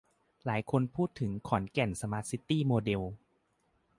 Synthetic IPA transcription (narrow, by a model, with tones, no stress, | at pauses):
laː˩˦jkʰo˧npʰuː˥˩t̪ʰːɯ˩˦ŋkʰɔː˩˦nkɛ˨˩nsa˧maː˦˥t̪̚si˦˥t̪iː˥˩moː˧de˧w